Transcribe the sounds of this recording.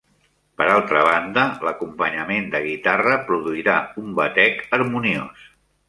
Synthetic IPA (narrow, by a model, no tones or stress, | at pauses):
pəɾalˠt̪ɾəβ̞and̪ələkumpəɲəmend̪əɣit̪arəpɾuðuiɾaumbət̪ɛkəɾmunios